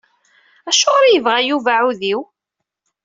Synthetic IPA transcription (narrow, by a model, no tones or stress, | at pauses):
æʃːoʁɾijəvʁæjuvaʕuðiw